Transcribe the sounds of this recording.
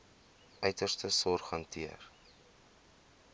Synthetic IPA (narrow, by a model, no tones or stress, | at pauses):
œɥtərstəsɔrχɐŋtʰiər